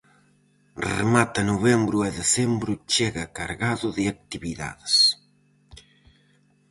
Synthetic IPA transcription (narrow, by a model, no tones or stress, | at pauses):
rḛmat̪ɐnuβɛmbɾʊɛðesɛmbɾʊt͡ʃeɣɐka̰ɾɣaðʊðɪak̚t̪iβiða̰ðes